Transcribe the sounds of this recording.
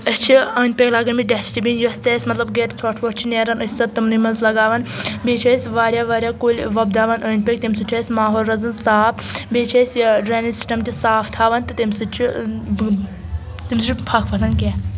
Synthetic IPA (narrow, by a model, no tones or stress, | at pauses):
əst͡ʃʰiəːnʲpʲeklaːɡɐnmiɖɛsʈibinjosʲt̪ʲɛːsʲmɐt̪lɐbɡet̪t͡sʰɐʈʰʋot͡ʃʰineːɾɐnɐsʲsɐt̪ːɨmnimɐnzlɐɡaːʋɐnbeːt͡ʃʰɐːsʲʋaːɾʲjaːʋaːɾʲjaːkoːlʲʋɐbd̪aːʋɐnɐːnʲpʲek̚t̪imsut͡ʃʲʰɐːsʲmaːɦoːlɾɐzɐnsaːpʰ | beːt͡ʃʰɐːsʲɖɾeːnisi̥sʈɐmt̪ʲisaːpʰt̪ʰaːʋɐnt̪ɨt̪imʲsɨt͡ʃʰi | t̪imst͡ʃʰipʰɐkʰpʰɐt̪ʰɐnkʲe